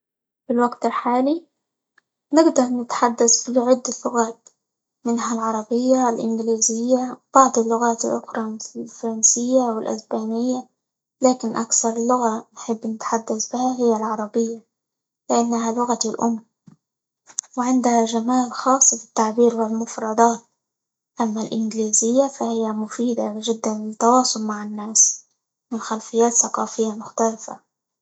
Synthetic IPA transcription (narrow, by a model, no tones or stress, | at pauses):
fɪlwaɡt̪ɪlħaːli | nɪɡd̪ɑɾˤnɪt̪ħad̪ːasbiʕɪd̪ːalːʊɣaːt̪ | mɪnhalʕɑɾˤɑbɪjːalʔɪŋɡliːzɪjːab̥ɑʕd̪ˤɪlːʊɣaːt̪ɪlʔʊxɾˤɑmɪθɪlfɑɾˤɑnsɪjːawɪlʔa̰sbaːnɪjːa | laːkɪnʔakθɑɾˤlːʊɣanħɪbːnɪt̪ħad̪ːasbɪhaɦɪjːalʕɑɾˤɑbɪjːa | lɪʔanːaɦalʊɣat̪ɪlʔʊmː | wɪʕɪnd̪haʒamaːlxɑːsˤːɑbɪ̥t̪ːaʕbiːɾwɪlmʊfɾˤɑd̪ˤɑːt̪̚ | ʔamːalʔɪnɡliːzɪjːafahɪjːamʊfiːd̪aʒɪd̪ːanɪt̪ːɑwɑːsˤʊlmaʕɪnːaːs | mɪnxalfɪjːaːt̪θaqɑːfɪjːamʊxt̪alɪfa̰